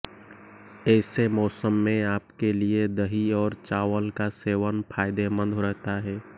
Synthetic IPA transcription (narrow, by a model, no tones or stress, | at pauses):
ɛːsemɔːsəmːẽaːpkelied̪əɦiɔːɾt͡ʃaːwəlkaseːʋənpʰaːɪd̪emə̃nd̪ʱoɾəɦt̪aɦɛː